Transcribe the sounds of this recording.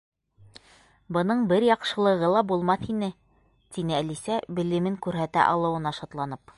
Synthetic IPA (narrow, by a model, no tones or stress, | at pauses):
bɤ̆nɤɴbɘɾjɑqʃɤ̆lˠɤ̆ʁɤlˠɑbulˠmɑθinɘ | t̪inɘælisæbɘ̆lɘ̆mɘŋkʉɾɦæt̪æ̰ʔɑlˠɤ̆wɤ̆nɑʃɑt̪lˠɑnɤp